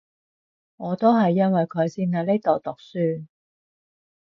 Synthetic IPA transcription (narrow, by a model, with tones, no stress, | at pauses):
ŋɔː˨˧t̪o˥wɦɐ˨jːɐ˥nwɐ˨jkʰɵ˨˧ɥsiː˧˥nhɐ˨˥le˥t̪o˨wt̪ʊ˨k̚syː˥